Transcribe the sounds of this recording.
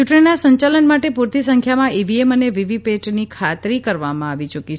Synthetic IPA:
uʈɳinasə̃ɲt͡ʃalənmaʈepuɾt̪isəŋkʰjamãiʋieməneʋiʋipeʈnikʰat̪ɾikəɾʋamãaʋit͡ʃəki

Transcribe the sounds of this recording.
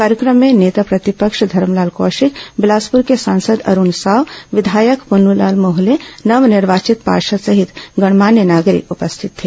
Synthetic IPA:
kaːɾjəkɾəmːeneːt̪apɾɐt̪ipəkʂd̪ʱɐɾmlaːlko̰ːʃikbɪlaːspuɾkesãːnsəd̪ɐ̰ɾunsaːʋʋɪd̪ʱaːjəkpunula̰ːlmoɦlenɐʋniɾʋaːt͡ʃit̪pa̰ːʃəsɐɦit̪ɡɐɽ̃maːnjənaːɡɾḭkupəst̪ʰit̪ʰːe

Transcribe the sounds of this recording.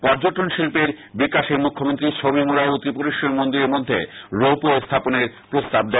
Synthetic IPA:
pɔɾd͡ʑoʈonʃilpeɾ | bikaʃemukʰːomont̪ɾit͡ɕʰobimulaut̪ipoɾiʃonmond̪iɾeɾmod̪ʱːḛɾowpuest̪ʰaponeɾpɾost̪ab̚d̪e

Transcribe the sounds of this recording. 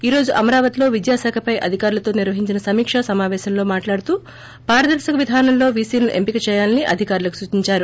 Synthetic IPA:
iːɾo̞ːd͡ʒuʔɐmɐɾaːʋɐt̪ilo̞ːʋid̪jaːsɛːkʰɐpɐjʔɐd̪ʱikaːɾulɐt̪o̞ːniɾʋɐɦiɲt͡ʃinɐsɐmiːkʂɐsɐmaːʋɛːʃɐmlo̞ːmaːʈlaːɽut̪uː | paːɾɐd̪ɐɾʃɐkɐʋid̪ʱaːnɐmlo̞ːʋiːsiːlluʔe̞mpikɐt͡ʃɛːjaːlɐniʔɐ̰d̪ʱikaːɾulɐku̥sut͡ʃiɲt͡ʃaːɾu

